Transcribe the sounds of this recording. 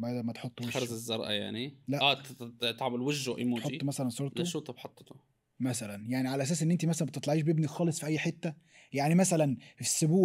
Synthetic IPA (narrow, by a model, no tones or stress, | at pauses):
bæd̪æmæt̪ħot̪ˤːeɑɾˤzezːɑɾˤʔɑ̰ja̰ʕnilæʔæːt̪ʕmelweʒʒoʔḛmuħot̪ˤːmæsælænsˤoɾtd̪ˤæoʃuːt̪ˤɑbħɑt̪ˤːt̪o | mæsælænjaʕniʕalæʔæs̬æːsʔenːʔent̪imæs̬ælænbet̪et̪ˤlɑʕiːʃ̬bebnixɑːlesˤfiʔæjːħet̪ːæ | jaʕnimæsælænfi̥sːobuː